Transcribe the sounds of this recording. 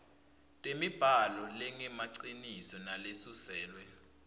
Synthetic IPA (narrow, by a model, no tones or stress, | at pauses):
tʼemib̥ʱalɔlɛŋɛmaǀinisɔnalesusɛːlwɛ